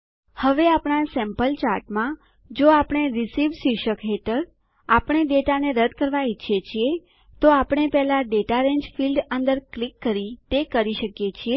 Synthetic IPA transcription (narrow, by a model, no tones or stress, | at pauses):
həʋeapɳ̃asɛ̃mpəlt͡ʃaɾʈmã | d͡ʒoapəɳ̃eɾisiʋsiʃəkɦeʈəɾ | apəɳ̃eɖeʈaneɾəd̪kəɾʋait͡ʃʰjet͡ʃʰie | t̪oapɳ̃epɛɦlaɖeʈaɾẽɲd͡ʒfilɖənd̪əɾklikːəɾit̪ekəɾiʃəkjet͡ʃʰie